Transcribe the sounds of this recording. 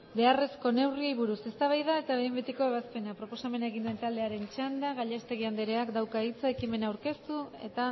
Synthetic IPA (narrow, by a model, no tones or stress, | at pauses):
be̞are̞sko̞ne̞wriejβuɾuse̞st̪aβ̞ajðae̞t̪aβejmbet̪iko̞e̞β̞aspe̞napɾo̞po̞same̞naeɣ̞ind̪ue̞nt̪ald̪e̞aɾe̞nt͡ʃand̪aɣaʎast̪e̞ɣiand̪eɾeakd̪awkait͡saekime̞nawɾke̞st̪ue̞t̪a